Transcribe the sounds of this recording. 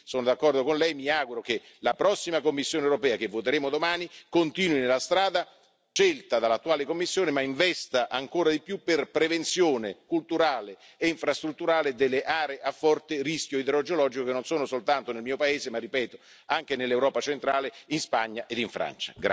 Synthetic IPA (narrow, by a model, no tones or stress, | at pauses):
soːnod̪akːɔrd̪okonlɛjmiaːɡuɾok̟e | lapɾɔsːimakomːisːjoːnewɾopɛːakevːot̪eɾeːmod̪omaːnikont̪iːnwinelːast̪ɾaːd̪a | t͡ʃelt̪ad̪alːat̪ːuaːlekomːisːjoːnemaiɱvɛst̪aʔaŋkoːɾad̪ipjupːerpɾevent̪sjoːnekult̪uɾaːleː | iɱfɾast̪ɾut̪ːuɾaːled̪elːeʔaːɾeeʔafːɔrt̪eriskjoid̪eɾod͡ʒolɔːd͡ʒikokenːonsoːnosolt̪ant̪onelmiːopaeːzemarːipɛːt̪o | aŋk̟enelːewɾɔːpat͡ʃent̪ɾaːleinspa̰ɲːaʔed̪iɱfɾa̰nt͡ʃḁɡ